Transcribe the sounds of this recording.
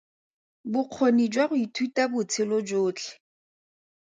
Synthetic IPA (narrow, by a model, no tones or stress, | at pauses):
bʊq͡χʰonid͡ʒwaɣʊitʰwitabʊt͡sʰɪlod͡ʒoːt͡ɬʰɛ̥